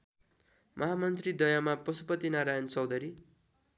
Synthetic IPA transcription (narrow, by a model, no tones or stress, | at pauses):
mʔʌɦamʌnt̪rid̪ʌjamapʌsupʌt̪inaɾajʌnt͡sʌwd̪ʌɾi